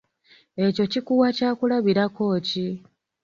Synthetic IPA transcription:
e̞co̞cikuwacaːkulaβiɾako̞ːci

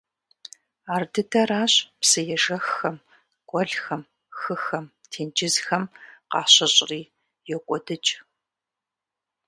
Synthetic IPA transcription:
aːrdɨdʰɐraːɕpsɨjɛʒɐxɐm | kʷʼɔɮxɐm | xɨxɐm | tʰeːnd͡ʒɪzxɐmqɑːɕɐɕʼriː | jɛkʷʼɔdɨt͡ʃʼ

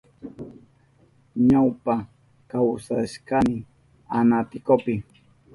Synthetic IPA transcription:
ɲawpa | kawsaʃkamɪ | anat̪ɪkopɪ

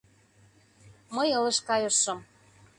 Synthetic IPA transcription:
məjɤ̆lɤ̆ʃkɑjɤʃɤ̆m

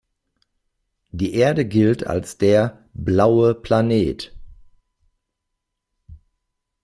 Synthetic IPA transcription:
d̥iːʔeːɐdəɡɪltʰa̰lsd̥eːɐ | blaʊəpʰl̥aneːt

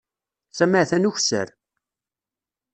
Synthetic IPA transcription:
sæməʕθænuçsə̰ɾ

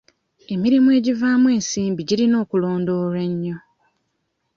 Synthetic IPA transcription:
e̞miɾimue̞ːɟivaːmwe̞ːnsiːmbiɟiɾino̞ːkulo̞ːndo̞ːɾeɲːo̞

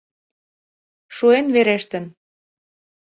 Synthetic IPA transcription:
ʃuenβeɾeʃt̪ə̆n

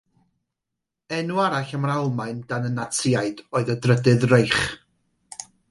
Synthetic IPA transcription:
ɛnuaɾaɬəmrawlˠmajnd̥anənatʰɪaɨdoɨðədrədɨðrejχ

